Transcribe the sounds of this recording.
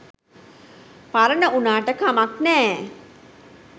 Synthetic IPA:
paɾənəʔunaːʈəkamaknɛː

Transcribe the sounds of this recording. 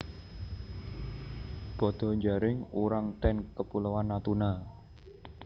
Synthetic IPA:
b̥ɔd̪̥ɔ̤ɲd͡ʒaɾɪŋuɾaŋt̪ɛnkəpuləwanːat̪una

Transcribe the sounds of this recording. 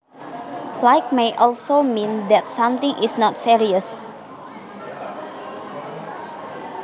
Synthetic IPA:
laɪk̚meʔɔlsomĩnd̪ɛtsãmt̪ɪ̃ŋʔɪsnɔtsiɹiəs

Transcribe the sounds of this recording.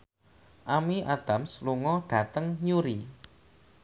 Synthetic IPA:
ʔamiʔad̪̥a̤msluŋɔɖ̥ä̤t̪əŋjuɾi

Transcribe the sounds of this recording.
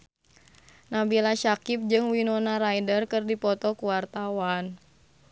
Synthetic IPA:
nabilaʃakip̚d͡ʒɨŋwinɔnaɾajdərkɨrdipɔt̪ɔkuwart̪awan

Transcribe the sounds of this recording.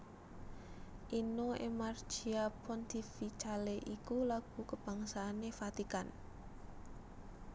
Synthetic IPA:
ʔinoḛmard̥ʒ̥iapɔnd̪ifit͡ʃaleʔikulaɡ̥ṳkəb̥a̤ŋsaːnefat̪ikan

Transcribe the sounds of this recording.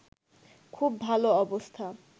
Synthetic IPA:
kʰubːʱaloɔbost̪ʰa

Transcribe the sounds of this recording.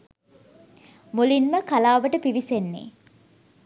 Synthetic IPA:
mulinməkalaːʋəʈəpiʋisenːḛː

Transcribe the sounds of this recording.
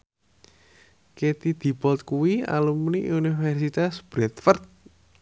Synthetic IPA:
ket̪id̪̥i̤bɔlt̪̚kuwia̰lumniʔunifɛrsit̪asb̥ɾɛt̪fərt̪̚

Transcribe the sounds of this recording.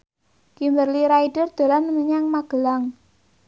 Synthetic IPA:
ɡ̥imbərliɾaiɖ̥ərd̪̥o̤ɾanəŋəɲaŋmaɡ̥ə̤laŋ

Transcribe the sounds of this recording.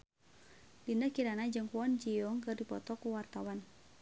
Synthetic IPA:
dindakiɾanad͡ʒɨŋkuɔnd͡ʒiɔŋkɨrdipɔt̪ɔkuwart̪awan

